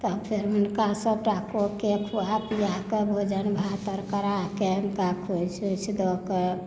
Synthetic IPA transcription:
t̪ɔpʰeɾɦunkasəbʈakokekʰuapijakebʱod͡ʒənbʱat̪əɾkəɾakeɦunkakʰut͡ʃʰut͡ʃʰd̪ɔke

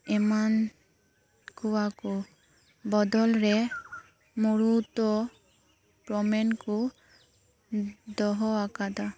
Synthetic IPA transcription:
ɛman | kuwakʊ | bɔd̪ɔlɹɛ | muɹut̪ɔ | pɹɔmɛnkʊ | dɔɦɔakad̪a

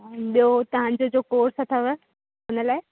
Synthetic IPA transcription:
ɓijot̪ɐʋ̤ãːɲ̆d͡ʑod͡ʑoːkoːɾsɐt̪ʰəʋ | ʊnəlaːɪ

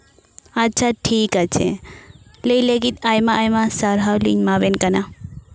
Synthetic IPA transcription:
atːt͡ʃʰaʈʰikat͡ʃʰḛ | lejleɡit̪ajmaʔajmasaɾɦawlḭŋmabenkana

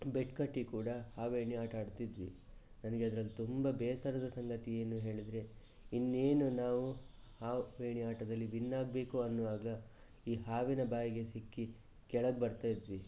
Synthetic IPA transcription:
beʈkɐʈːikuːɽɐhaːʋeːɳiaːʈɐːɽut̪id̪ʋḭ | nɐnɐɡe̞ɐd̪ɐɾɐlːit̪umbɐbɛːsɐɾɐd̪ɐsɐŋɡɐt̪ieːnuɦe̞ːɭid̪ɾe̞ | inːe̞ːnunaːʋu | haːʋeːɳiaːʈɐd̪ɐlːibinːaːɡ̚be̞ːkuɐnːuʋaːɡɐ | iːɦaːʋinɐbaːjiɡe̞sikːi | kɛɭɐɡ̚bɐɾt̪aːjid̪ʋi

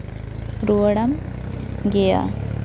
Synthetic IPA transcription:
ɾuɐɽɐm | ɡeja̰

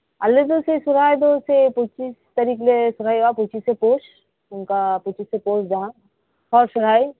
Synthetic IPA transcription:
ɐlːed̪osesʊɾaːed̪osepʊt͡ʃiːst̪ɐɾiːklesʊɾ̤aːiapʊt͡ʃiːsːepoːʃ | ʊnkapʊt͡ʃisːepoːt͡ʃd͡ʒaɦã | ɔːɾsʊɾaːi

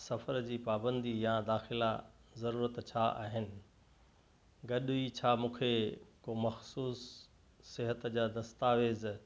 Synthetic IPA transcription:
sɐfəɾd͡ʑiːpaːbə̃nd̪ijãd̪aːxɪlazɐɾuːɾət̪t͡ɕʰaʔa̰ːɦɪnɪ̆ | ɡɐɗit͡ɕʰaːmũːkʰekomɐxsuːsː | ɪɦət̪d͡ʑaːd̪ɐst̪aːʋeːz

